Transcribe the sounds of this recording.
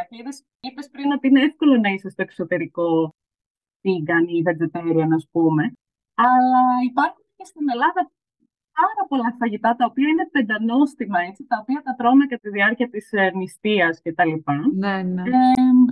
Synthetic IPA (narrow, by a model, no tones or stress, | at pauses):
ɐiðes | ipe̞spɾinot̪iineefko̞lonɐisest̪o̞e̞kso̞t̪e̞ɾiko̞ | θiɡɐniðezet̪eɾuenɐspume̞ | ɐlɐipɐɾxunce̞st̪ine̞lɐðɐ | pɐɾɐpo̞lɐfɐʝit̪ɐt̪ɐopiɐine̞pend̪ɐno̞st̪imɐe̞t͡sit̪ɐopiɐt̪ɐt̪ɾomekɐt̪iðiɐɾciɐt̪isnist̪iɐsce̞t̪ɐlipɐnenee